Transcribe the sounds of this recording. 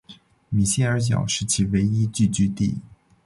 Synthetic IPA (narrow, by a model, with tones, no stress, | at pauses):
mi˨˩ɕjɛ˥˩ə˞˧˥t͡ɕ̬jɑ̰˨˩ʊʂɻ̩˧˥t͡ɕʰi˥˩we˧˥ɪi˥t͡ɕy˥˩t͡ɕy˥t̪ḭ˥˩